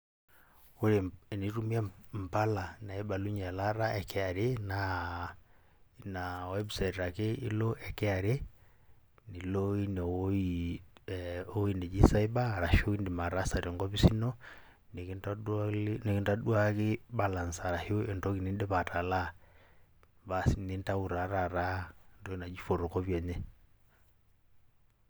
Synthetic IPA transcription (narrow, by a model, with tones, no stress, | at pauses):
o˦ɾe˨ni˦ɾu˦mi˦a˦m̩pa˦la˨na˨ɛ˦ɓa˨lu˦ɲa˨la˦ɾa˦ɛ˨kɛ˦a˨ɾe˦na | nawɛ˦bi˨sa˨tɾa˨ke˦i˦lɔ˦ʔɛ˨kɛ˦a˨ɾe˦ | ni˨lɔ˦i˦nɛ˨i | o˦i˦ne˨d͡ʒi˦sa˦i˦ba˦˨ɾa˨ʃo˦i˦ndi˨ma˨ɾa˦sa˨ɾe˨ŋɡɔ˦βi˦si˦nɔ˦ | ni˨kani˨ki˦nta˦ɗwa˦ki˦ba˦la˨nsa˨ɾa˨ho˦ɛ˨ntɔ˦ki˨ni˦ndɛ˦βa˨ta˨la˦ | basini˦n˦ta˦u˨ɾa˨ɾa˨ɾa˦ntɔ˦ki˦na˨d͡ʒi˦fo˨ɾɔ˨kɔ˦βjɛ˨ɲɛ˦